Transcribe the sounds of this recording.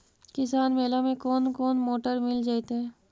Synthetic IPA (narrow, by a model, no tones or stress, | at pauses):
kɪsaːnmeːlamẽkɔːnkɔːnmoːʈəɾmɪld͡ʒaːit̪eɦɛː